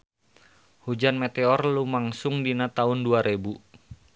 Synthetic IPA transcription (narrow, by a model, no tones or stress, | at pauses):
hud͡ʒanmet̪eɔrlumaŋsʊŋdinat̪aʊnduaɾebu